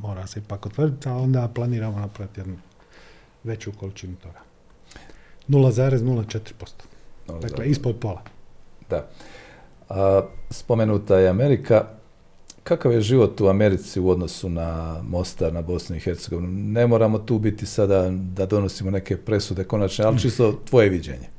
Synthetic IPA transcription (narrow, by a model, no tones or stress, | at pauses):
mo̞ːɾaseipakot̪ʋər̩d̪it̪alo̞nd̪aplˠaniːɾamonapɾaʋit̪jed̪nu | ʋe̞t͡ɕukolit͡ʃinut̪oɾa | nulazaːɾeznulat͡ʃet̪ɾpost̪o̥nulad̪aleispolpolˠad̪a | əspo̞me̞nuːt̪ajeame̞ɾikʰa | kakaʋje̞ʒiʋo̞t̪uame̞ɾit̪siuo̞d̪no̞sunamo̞st̪aɾnabo̞snuixe̞ɾt̪seɡo̞ʋinune̞mo̞ɾamo̞t̪uːbit̪isad̪ad̪ad̪o̞no̞simo̞ne̞ke̞pɾe̞sud̪e̞ko̞nat͡ʃnealit͡ʃist̪o̞t̪ʋo̞je̞ʋid͡ʑḛɲe̞